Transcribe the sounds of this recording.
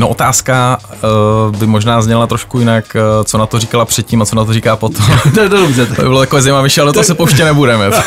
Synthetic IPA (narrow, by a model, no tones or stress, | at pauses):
noʔot̪aːska | bɪmoʒnaːzɲɛlat̪ɾoʃkujɪnakt͡sonat̪oriːkalapr̝̥ɛt̪ciːmat͡sonat̪̬oɾiːkaːpot̪ʰomt̪dobzɛt̪obɪbɪlot̪akovɛːzajmavɪʃɛalɛdot̪osɛpowʃcɛnɛbudɛmɛ